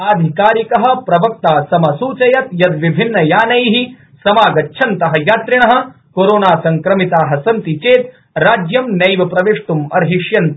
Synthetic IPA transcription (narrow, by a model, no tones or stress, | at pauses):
aːd̪ʱikaːɾikɐɦɐ̆pɾɐʋɐk̚t̪aːsɐmɐsuːt͡ʃɐjɐt̪jɐd̪ʋibʱinːɐjaːnɐjɦi | sɐmaːɡɐtːʃʰɐnt̪ɐɦɐ̆jaːt̪ɾiɳ̃ɐɦɐ̆ | koːɾoːnaːsɐŋkɾɐmit̪aːɦɐ̆sɐnt̪it͡ʃeːt̪ | ɾaːd͡ʒjɐmnɐjʋɐpɾɐʋeːʂʈ̪umɐ̰ɾɦiʂjɐnt̪